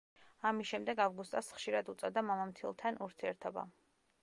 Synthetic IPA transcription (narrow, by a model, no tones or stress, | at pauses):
amisʃɛmd̪ɛɡavɡust̪ʼɔsχʃiɾad̪ut̪sʼɔd̪amamamt̪ʰilˠt̪ʰanuɾt̪ʰiɛɾt̪ʰɔba̰